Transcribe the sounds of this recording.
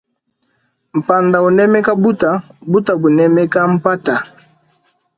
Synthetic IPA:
m̩˨pa˨nda˨o˨nɛ˦mɛ˦ka˦bu˦ta˨bu˦ta˨bo˨nɛ˦mɛ˦ka˦m̩˦˨pa˦ta˨

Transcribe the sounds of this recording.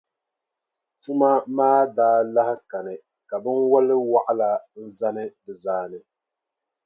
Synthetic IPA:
tu˦ma˦maː˦daː˦la˦hɪ˦ka˨nɨ˨ | ka˨bɨ˦nwɔ˦lɪ˦wa˦ʔa˦la˦n̩˦za˦nɨ˦dɨ˨zaː˦nɨ˨

